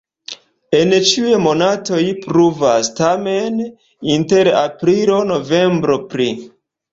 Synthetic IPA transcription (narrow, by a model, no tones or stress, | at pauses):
e̞nt͡ʃiwemo̞nato̞jpɾuvastame̞n | inte̞ɾa̰pɾilo̞no̞ve̞mbɾo̞pɾi